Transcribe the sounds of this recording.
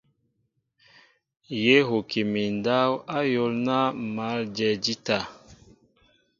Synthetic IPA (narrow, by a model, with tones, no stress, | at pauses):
je˦ɦo˨ke˨mi˨nda˦wa˦jo˦lna˦ma˨˦ld͡ʒɛ˨d͡ʒi˦ta˨